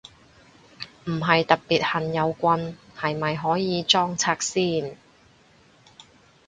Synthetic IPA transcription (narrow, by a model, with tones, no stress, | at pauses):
m̩˨˩ɦɐ˨jt̪ɐ˨t̚piː˨˩t̚hɐ˨njɐ˨˧wkʷɐ˧nhɐ˨jmɐ˨jɦɔː˨˥jiː˨˧t͡sɔː˥ŋt͡sʰaː˧k̚siː˥˩n